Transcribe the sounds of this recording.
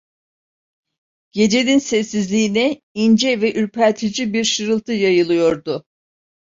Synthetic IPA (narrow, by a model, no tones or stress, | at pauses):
ɟ̥e̞d͡ʒe̞ninsɛsːizlʲiːinɛ | ind͡ʒɛvɛʔyɾpʰælʲt̪ʰid͡ʒibiɾʃɯɾɯlˠt̪ʰɯjajɯlˠɯjo̞ɾd̪ʊ